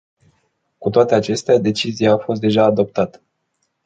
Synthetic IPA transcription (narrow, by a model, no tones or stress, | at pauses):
kut̪oat̪e̞at͡ʃe̞st̪ead̪e̞t͡ʃizijaːfo̞st̪̚d̪e̞ʒaːd̪o̞p̚t̪at̪ə̥